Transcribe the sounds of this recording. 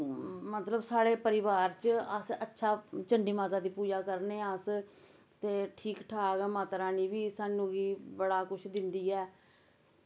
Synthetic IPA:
mət̪ləbsaːɽeːpəɾɪʋaːɾt͡ʃəsətːʃʰaːt͡ʃəɳɖiːmaːt̪aːd̪iːpuːd͡ʒaːkəɾneːəs | t̪eːʈʰiːkʈʰaːɡmaːt̪ɾaːniːʋiːsaːnũːɡiːbəɽaːkʊt͡ʃʰd̪ɪnd̪iːɛː

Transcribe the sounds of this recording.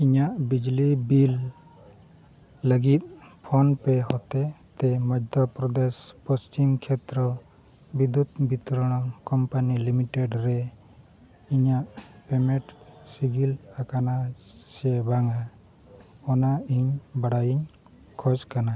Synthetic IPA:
iɲaʔbid͡ʒlibil | ləɡit̪̚pʰɔnpɛɦɔt̪ɛt̪ɛmɔd͡ʒd̪ʱɔpɾɔd̪espɔst͡ʃimkʰɛt̪ɾɔ | bid̪ud̪bit̪ɾɔɽ̃ɔkɔmpanilimiʈeɖɾɛ | iɲaʔpɛmɛ̃ʈsiɡilakana | sɛbaŋa | ɔnaiɲbaɽajiɲ | kʰɔskana

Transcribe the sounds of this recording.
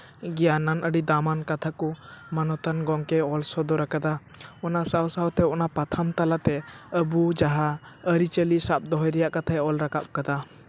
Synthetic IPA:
ɡɛjananʔəɖid̪amankat̪ʰakɔmanɔt̪anɡɔŋkɛɔlsɔd̪ɔɾakad̪a | ɔnasawsawt̪ɛɔnapat̪ʰamt̪alat̪ɛəbud͡ʒaɦaəɾit͡ʃəlisap̚d̪ɔɦɔjɾɛjaʔkat̪ʰaɛɔlɾakap̚kad̪a

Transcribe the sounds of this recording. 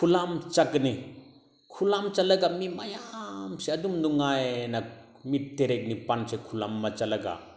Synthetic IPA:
kʰulamt͡ʃakni | kʰulamt͡ʃalaɡamimajamseadumnuŋajna | mit̚ːeɾek̚nipansekʰulamːat͡ʃalɐɡa̰

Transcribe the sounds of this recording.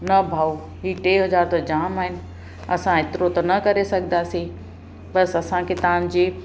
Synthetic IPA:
nɐbʱaːu | ɦiːʈeːɦɐzaːɾt̪od͡ʑaːmaːɦɪnɪ̆ | ɐsãɪt̪ɪɾot̪ɐnɐkɐɾesɐɡʱnd̪aːsẽ | bɐsɐsãkʰet̪ãn̆d͡ʑeː

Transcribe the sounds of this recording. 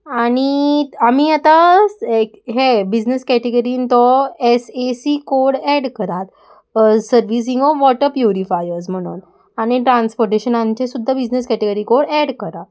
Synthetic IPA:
aɽ̃iamiat̪a | ɦebid͡ʑneskɛʈeɡəɾiːnt̪ɔesesikoɾɽɛɽkəɾat̪ | səɾʋis̬ĩŋɡɔfʋɔʈəɾpjuɾifajəɾs̬m̤əɽ̃ṵːn | aɽ̃iʈɾanspoɾʈeɕənaɲt͡ɕesud̪ʱːabid͡ʑnəskɛʈeɡəɾikoɽɛɽkəɾat̪̚

